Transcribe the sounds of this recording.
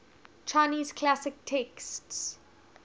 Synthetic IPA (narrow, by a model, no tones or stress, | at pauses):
t͡ʃʰaɪniːz̥kʰlasɪk̚tʰɛksts